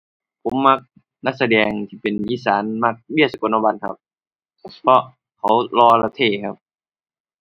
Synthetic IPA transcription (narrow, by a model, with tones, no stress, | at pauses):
pʰo˨˦mːa˧˥k̚ | na˧˥k̚sa˧dɛː˨˧ŋt̪ʰiː˧˩pe˨nʔiː˧˥˨saː˨˦nma˧˥˩k̚bi˥˩ət̪̚sa˧ko˨˦nʔa˧ba˧˩nkʰa̰˧p̚ | pʰɔ˧ | kʰa˨˦wlɔː˧la˧˩t̪ʰeː˧˩kʰa˧˥p̚